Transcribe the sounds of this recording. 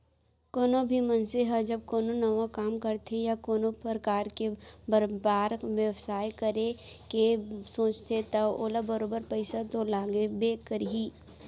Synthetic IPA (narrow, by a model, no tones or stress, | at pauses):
koːnobʱimɐnseɦəd͡ʒɐb̚koːnonɐʋakaːmkɐɾt̪ʰejakoːnopɾəkaːɾkebəɾbaːɾʋjəʋsaːjkəɾekesõːt͡ʃt̪ʰet̪ɐoːlabɐɾoːbəɾpɐɪsat̪olaːɡebeːkəɾɦiː